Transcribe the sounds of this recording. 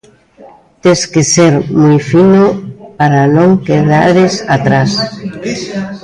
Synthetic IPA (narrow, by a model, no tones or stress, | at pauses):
t̪eskeseɾmujfinopaɾanõŋkeðaɾesat̪ɾas